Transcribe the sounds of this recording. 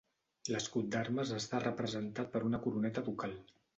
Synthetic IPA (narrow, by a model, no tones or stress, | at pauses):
ləskut̪̚d̪arməzəst̪arəpɾəzənt̪at̪̚pəɾunəkuɾunɛt̪əβukalˠ